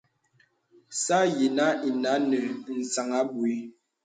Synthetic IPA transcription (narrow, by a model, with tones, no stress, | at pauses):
sa˦je˨na˦i˨na˨˦nə˨n̩˨sa˨ŋa˦bu˨i˦